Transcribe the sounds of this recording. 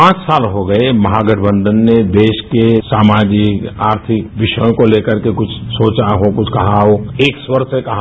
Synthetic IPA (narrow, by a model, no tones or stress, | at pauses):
ãːt͡ʃsaːlɦoɡɐemɐɦaɡəɖ̤ʰʱbə̃nd̪ənːed̪eːʃkesaːmaːd͡ʒɪkaːɾt̪ʰɪkʋɪʃəjõkoleːkəɾkekʊt͡ʃʰsoːt͡ʃaɦokʊt͡ʃʰkɐɦaɦoːeːkswəɾsekɐɦ